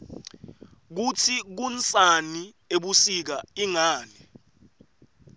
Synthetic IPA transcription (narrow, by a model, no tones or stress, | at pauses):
k̬utʰik̬unt͡sʼani | eɓusik̬aiŋaːnɛ